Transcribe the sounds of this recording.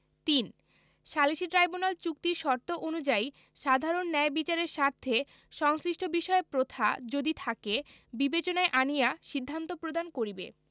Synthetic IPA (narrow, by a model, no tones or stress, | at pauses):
t̪in | ʃaliʃiʈɾajbunalt͡ɕuk̚t̪iʃɔɾt̪oʔonud͡ʑai | ʃad̪ʱaɾonːɛebit͡ɕaɾeɾʃaɾt̪ʰːe | ʃɔŋsɾiʃʈʰobiʃɔepɾot̪ʰa̰d͡ʑod̪it̪ʰake | bibet͡ɕonaeʔanijaʃid̪ʱːant̪opɾod̪ankoɾibḛ